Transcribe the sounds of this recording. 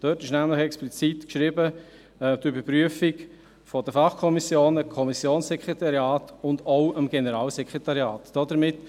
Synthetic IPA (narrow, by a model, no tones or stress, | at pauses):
d̥øtɪʃnæmləχɛksplit͡sitkʃɾɪbə | ɛdybəɾpɾyəfik | fɔdəfɑχkʰɔmisjoːnəkʰɔmisjoːnssɛkʰɾɛt̪ɑɾjɑːtʊndoʊʔəmɡ̥ɛnəɾɑːlsɛkʰʁɛtɑɾjɑːtd̥ɔdəɾmɪt